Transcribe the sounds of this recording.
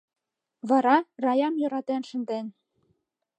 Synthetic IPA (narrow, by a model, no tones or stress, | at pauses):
βɑɾɑrɑjɑmjŏɾɑt̪enʃə̆nd̪en